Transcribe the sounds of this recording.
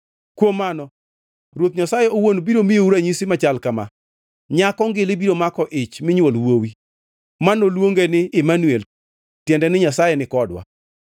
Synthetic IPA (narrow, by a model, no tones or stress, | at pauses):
kwomanɔ | ɾwot̪ɲasajɛowonobiɾomijouɾaɲisimat͡ʃalkama̰ | ɲakɔŋɡɪlɪbiɾomakɔʔɪt͡ʃmɪɲwolwowi | manolwoŋɡenɪɪmanwɛl | tjɛndɛnɪɲasajɛnɪkɔdwa̰